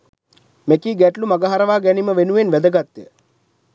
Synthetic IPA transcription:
mekiːɡæʈlumaɡəɦaɾəʋaːɡɛniməʋenuʋenʋæd̪əɡat̪jə̰

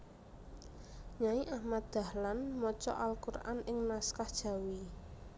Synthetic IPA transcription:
ɲaiʔahmat̪̚d̪̥̚a̤hlanmɔt͡ʃɔ̰ʔalkura̰nɪŋnaskahd̥ʒ̥ä̤wi

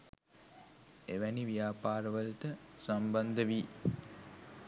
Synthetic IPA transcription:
eʋæniʋijaːpaːɾəʋəlt̪əsamband̪əʋi

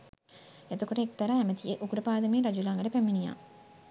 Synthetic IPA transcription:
et̪ukoʈeek̚t̪ɐɾaæmɐt̪ijeʔukuɽɐpaːd̪ɐmiːɾɐd͡ʒulaŋɡɐɾepæmːinija̰ː

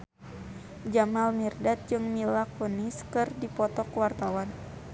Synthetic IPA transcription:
d͡ʒamalmirdat̪̚d͡ʒɨŋmilakuniskɨrdipɔt̪ɔkwart̪awan

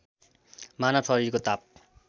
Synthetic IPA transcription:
manapʰʌɾikot̪ap̚

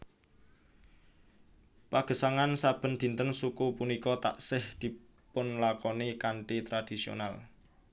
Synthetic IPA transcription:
paɡ̥ə̤saŋansab̥ə̤nd̪̥i̤nt̪ənsukupunikɔt̪a̰ʔsɪhd̪̥i̤ | pʊnlakɔnekaɳʈit̪ɾad̪̥i̤sio̰nal

